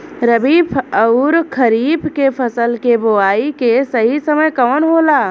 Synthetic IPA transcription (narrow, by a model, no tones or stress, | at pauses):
ɾəbiːbʰəʊɾkʰəɾiːbkepʰəsəlkeboaːikesɐɦisəməjkɔːnɦoːlaː